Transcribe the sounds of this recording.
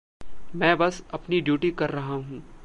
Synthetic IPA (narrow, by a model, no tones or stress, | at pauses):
mɛ̃ːbɐsɐpniɖjuːʈikɐɾːɐɦaɦũː